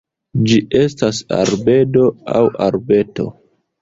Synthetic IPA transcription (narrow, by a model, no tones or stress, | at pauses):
d͡ʒie̞stasa̰ɾbe̞do̞a̰wa̰ɾbe̞to̞̰